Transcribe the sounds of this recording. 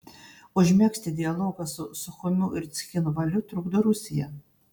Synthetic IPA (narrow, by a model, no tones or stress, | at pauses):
ʊʒʲmʲɛksʲt̪ʲɪd̪ʲɪɐlˠoːɡɐsʊsʊxɔmʲʊʔɪɾsʲxʲɪnuvɐlʲʊt̪ɾʊɡd̪oɾusʲɪjɛ